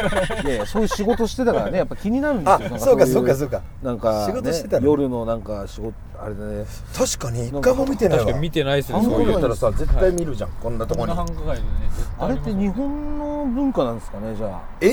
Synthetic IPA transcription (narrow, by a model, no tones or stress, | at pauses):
jajaso̞ːjɯ̟ɕiɡo̞t̪oɕi̥t̪e̞t̪akaɾane̞japːakʲiɲ̟inaɾɯ̟nd̪ajonãŋkasoːtkːasoːkːasoːkːa | nãŋkaɕiɡotnoeɕit̪et̪ajo̞ɾɯ̟no̞nãŋkaɕiɡo̞t̪ | a̰ɾe̞d̪ane | t̪ʰaɕi̥kaɲ̟iːnkːamomʲit̪e̞naiβamit̪enaisɯat̪ːaɾasaze̞t̪ːaimʲiɾɯ̟ʑã̰ŋkõnːat̪okoɲiɡ̪ | aɾe̞t̪ːe̞ɲ̟iɦõ̞nːo̞bɯ̟̃ŋkanãnd̪esɨ̥kane̞d͡ʑaː | e